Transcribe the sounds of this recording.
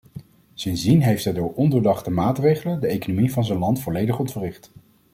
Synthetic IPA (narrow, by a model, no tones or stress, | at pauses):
sɪnzdinɦejfdɛdʊːɹʔɔndəɹdɑχtəmaːtrejχələndəejkonomivɑnzənlɑntfɔlejdəχɔntfərɪχt